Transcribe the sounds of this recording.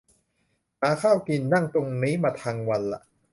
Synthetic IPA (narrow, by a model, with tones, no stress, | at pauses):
maː˨˦kʰaː˥˩wki˧nːa˥˩ŋt̪o˧ŋniː˦˥maː˧t̪ʰaː˧ŋwa˧nla̰˨˩ʔ